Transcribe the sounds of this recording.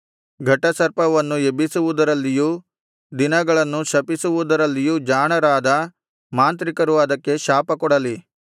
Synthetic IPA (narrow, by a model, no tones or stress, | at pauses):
ɡʱɐʈːɐsɐɾpɐʋɐnːuebisuʋud̪ɐɾɐlːiju | d̪inɐɡɐɭɐnːuʃɐpisuʋud̪ɐɾɐlːijud͡ʒaːɳɐɾaːd̪ɐ | maːnt̪ɾikɐɾuʋaːd̪ɐkːe̞ʃaːpɐkɔɽɐli